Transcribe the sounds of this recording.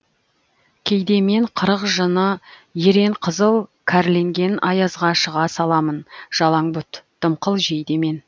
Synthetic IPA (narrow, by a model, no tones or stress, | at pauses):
kʲʰejd̪e̞me̞ɴqʰəɾəqʒənəje̞ɾe̞ɴqʰəzəlˠkʲʰæɾle̞ŋɡʲe̞nɑjɑzʁɑʃəʁɑsɑlˠɑmənʒ̥ɑlˠɑŋbʊt̪d̪̥əmqəlˠʒe̞jd̪eme̞n